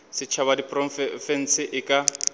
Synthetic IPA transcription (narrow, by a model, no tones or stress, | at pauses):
sɪt͡ʃʰaβadipʼrɔfɛn̩sɪʔɪkʼa